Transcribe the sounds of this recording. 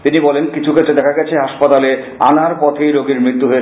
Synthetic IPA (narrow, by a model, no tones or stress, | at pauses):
t̪inibɔlenkit͡ɕʰuketːt͡ɕːed̪ɛkʰaɡɛt͡ɕʰeɦaʃpat̪ale | a̰naɾpɔt̪ʰejɾoɡiɾmɾit̪ːuɦoe